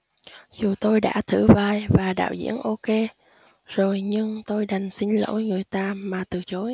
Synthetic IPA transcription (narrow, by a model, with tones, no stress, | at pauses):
zu˨˩t̪o˧jɗa̰ː˧˥t̪ʰɨ̰˧˩vaː˨˩jvaː˨˩ɗa̰ː˧˨wzḭ˧˥ənʔo˧ke˧ | z̥o˨˩jɲɨ˧ŋt̪o˧jɗa˨˩jŋ̟si˧ŋ̟lo̰˧˥˦jŋɨ˨˩əjt̪aː˧maː˨˩t̪ɨ˨˩t͡ɕo˨˦j